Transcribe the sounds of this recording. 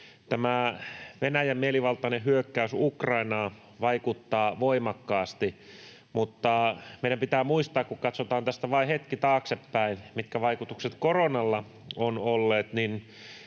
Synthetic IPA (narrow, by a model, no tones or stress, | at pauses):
t̪æmæʋenæjæmmieliʋɑlt̪ˑɑneɦyøkːæysukrɑinɑː | ʋɑikut̪ːɑːʋoimɑkːɑːst̪i | mut̪ːɑmeiɾæmpit̪æːmuist̪ɑːkkukɑt̪sot̪ɑːnt̪æst̪æʋɑihet̪kit̪ɑːksepːæinmit̪kæʋɑikut̪ukset̪koronɑlːɑ | onolːeːt̪nin